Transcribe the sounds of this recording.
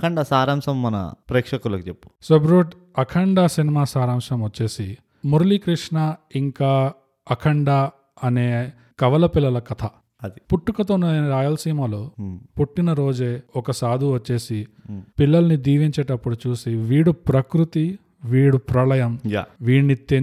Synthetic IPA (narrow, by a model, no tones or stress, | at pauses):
ɐkʰɐɳɖɐsaːɾamʂɐmːɐnɐ̰pɾeːkʂɐkulɐkit͡ʃepːu̥sebɾuːʈ | ɐkʰɐɳɖasinimaːsaːɾaːmʂɐmʋɐt͡ʃːe̞ːsi | muɾlikɾiʂɳɐiŋkaː | ɐkʰɐɳɖa | ɐne̞ː | kɐʋɐlɐpilːɐlɐkɐt̪ʰɐ | ɐd̪ipuʈːukɐt̪oːnɐnɐɾaːjɐlsiːmaːloːpuʈːinɐɾo̞ːd͡ʒeːɔkɐsaːd̪ʱuʋɐt͡ʃːe̞ːsi | pilːɐlɐnid̪iːʋiɲt͡ʃeːʈɐpːuɽut͡ʃuːsiʋiːɽupɾɐkɾut̪i | ʋiːɽupɾɐlɐjɐmja̰ʋiːɽnit̪ːe